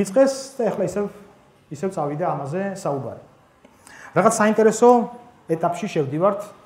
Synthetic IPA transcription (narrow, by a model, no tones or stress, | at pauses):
it̪sʼqʼɛsd̪̥aɛχlˠaisɛv | isɛvt̪sʼavid̪aːmazɛsauba̰ɾi | ɾaʁat̪ssaint̪ʼɛɾɛsɔ | ɛt̪ʼapʼʃiʃɛvd̪ivaɾt̪ʰ